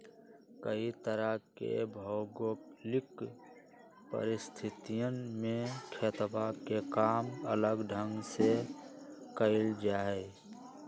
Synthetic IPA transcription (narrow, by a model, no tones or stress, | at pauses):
kəit̪əɾəkḛbʱɔːɡolɪk | pə̰ɾɪst̪ʰɪt̪ijəmẽkʰeːt̪bakekaːmələɡɖʱə̃ŋɡse | kəɪld͡ʒaːɛ